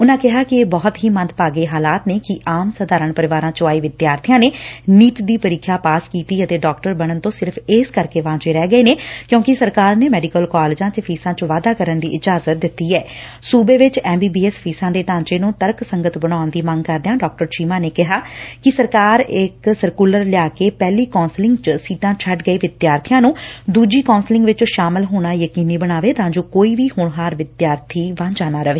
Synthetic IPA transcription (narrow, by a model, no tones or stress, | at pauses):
ʊnãːkɪɦaːkɪeːbɔːt̪ɦiːmənt̪paːɡeːɦaːlaːt̪neːkɪʔaːmsəd̪aːɾəɳpəɾɪʋaːɾãːt͡ʃaːiːʋɪd̪jaːɾt̪ʰɪjãːneːniːʈd̪iːpəɾɪkʰːaːpaːskiːt̪iːət̪eːɖɔːkʈəɾbəɽ̃ənt̪õːsɪɾpʰeːskəɾkeːʋãːt͡ʃeːɾɛːɡəeːneːkjõːkɪsəɾkaːɾneːmɛːɖɪkəlkaːlɪd͡ʒãːt͡ʃəpʰiːsãːt͡ʃʋaːd̪aːkəɾənd̪ḭːʔɪd͡ʒaːzət̪̚d̪ɪt̪ːiːɛː | suːbeːʋɪt͡ʃɛːmbiːbiːɛspʰiːsãːd̪eːʈãːɲt͡ʃeːnũːt̪əɾksəŋɡət̪bəɽ̃aːʊnd̪iːməŋɡkəɾd̪jãːɖɔːk̚ʈəɾt͡ʃiːmãːneːkɪɦaːkɪsəɾkaːɾɪksəɾkuːləɾlɪjaːkeːpɛːliːkɔ̃ːnslɪ̃ŋɡt͡ʃsiːʈãːt͡ʃʰəʈɡəiːʋɪd̪jaːɾt̪ʰɪjãːnũːd̪uːd͡ʒiːkaːnslɪ̃ŋɡʋɪt͡ʃʃaːmɪlɦoːɽ̃aːjəkiːniːbəɽ̃aːʋeːt̪ãːd͡ʒoːkoːiːʋiːhʊːɳɦaːɾʋɪd̪jaːɾt̪ʰiːʋãnd͡ʒaːnaːɾəʋeː